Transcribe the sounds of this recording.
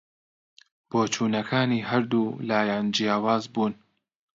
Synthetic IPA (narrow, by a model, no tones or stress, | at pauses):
b̥oːt͡ʃuːnɐkʰaːniːɦɐɾd̪uːlaːjaːnd͡ʒijaːwaːzbuːn